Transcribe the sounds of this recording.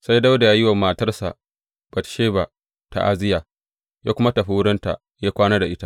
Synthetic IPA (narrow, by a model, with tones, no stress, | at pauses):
sa˦jda˦wda˨jaː˦jɪ˦wɐ˨mːaː˨tɐ˦rsa̰˨ʔ | b̥ɐ˨tʃeː˦ba˨ | ta̰˨ʔa˦zɪ˦jaː˨ | jaː˦kʷʊ˦ma˦tɐ˨ɸi˦wʊ˦ɽɐ˦nta̰˨ | jaː˦kʷaː˦naː˦da˨ʔɪ˦ta˦ʔ